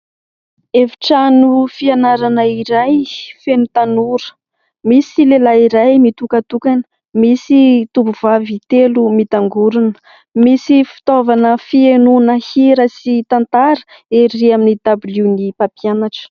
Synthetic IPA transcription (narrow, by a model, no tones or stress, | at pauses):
efi̥ʈ͡ʂanufianaɾanəiɾajfenut̪anuɾə̥ | misilelaiɾajmit̪ukat̪ukanə̥ | misit̪upuv̥avit̪elumit̪aŋɡuɾunə̥ | misifi̥t̪ovanəfienunəhiɾasit̪ant̪aɾə̥ | eɾiaminid̪abilunipapianaʈ͡ʂə̥